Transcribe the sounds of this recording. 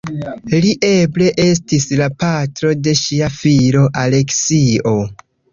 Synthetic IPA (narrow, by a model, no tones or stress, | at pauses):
liʔe̞ble̞ʔe̞s̬tislapatɾo̞de̞ʃiafilo̞ʔale̞ksio̞